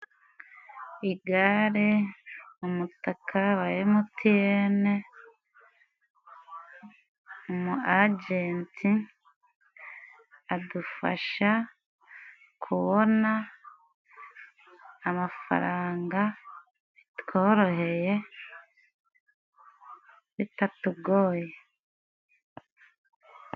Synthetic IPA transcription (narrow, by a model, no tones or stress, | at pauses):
iɡaɾi | umutakʰawajemutʰiene | umuaɟeːntʰi | adufa̰ʃa | kʰuβona | mafa̰ɾaːŋɡa | βitkʰoːɾo̞ɦe̞je̞ | βitatuɡoːje